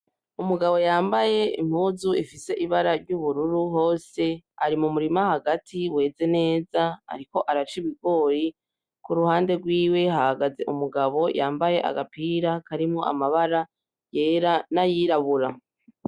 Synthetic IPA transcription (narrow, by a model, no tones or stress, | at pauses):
umuɡaβo̞jaːmbaje̞ḭm̥huːzuifise̞ʔiβaɾaɾɟuβuɾuɾuɦo̞ːse̞aɾimumuɾimahaɡatʰiwe̞ːze̞ne̞ːzaa̰ɾiko̞ʔaɾat͡ʃiβiɡo̞ːji | kuɾuhaːnde̞ɡwiːwe̞hahaɡaze̞̰ʔumuɡaβo̞jaːmbaje̞ʔa̰ɡapiːɾakaɾimŋoʔa̰maβaɾa | jeɾanajiɾaβuɾa